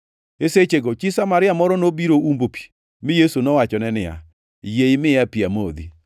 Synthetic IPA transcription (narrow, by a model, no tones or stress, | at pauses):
eset͡ʃeɡot͡ʃisamaɾɪamɔɾɔnobiɾoumbopi̥ | mɪjesunɔwat͡ʃɔnɛnɪa̰ | jeɪmɪapiamod̪i